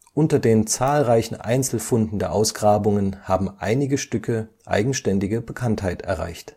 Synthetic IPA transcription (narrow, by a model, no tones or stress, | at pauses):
ʔʊntɐdeːnt͡saːlʁaɪçn̩ʔa̰ɪnt͡sl̩fʊndn̩deːɐʔaʊsɡ̥ʁaːbʊŋənhaːbm̩ʔa̰ɪnɪɡəʃtʏkʰə | ʔa̰ɪɡŋ̩ʃtɛndɪɡəbəkʰanthaɪtɛ̰ɐʁa̰ɪçt